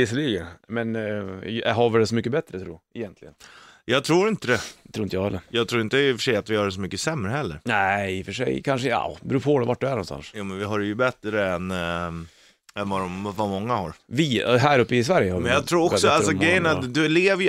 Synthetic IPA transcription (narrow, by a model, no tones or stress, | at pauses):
ɪsːəliːɡənmɛn | ɦavɪɖɛsɔmʏkːəbɛt̪ːɾət̪ʰɾṵːɾɛjɛnt̪ʰlɪɡənjɑːɡ̚t̪ʰɾuːɾɪnt̪əd̪ɛdd̪ɛt̪ʰɾuːɪnt̪əjɑɡhɛlːəɾjɑːɡt̪ʰɾuːɾɪnt̪əfəʂɛjat̪vɪhɑɖɛs̬ɔmʏkːəsɛmːɾəɦɛlːə̰ɾnæfœʂɛ̰jkʰanʂəja̰bɾuːpʰɔd̪ɛvaʈ̚ːd̪ɵæɳnɔnst̪a̰nsjuːmɛnvɪɦaɖɛjɵbɛt̪ɾəɛn | ɛnvaɾɔmvamɔŋːahaɾvɪɦæːɾɵpːəɪs̬væɾjəhaɾmɛnjɑɡt̪ʰɾuːɾɔsɔalɾsɔɡɡɾɛjːənad̪ɵleːvəj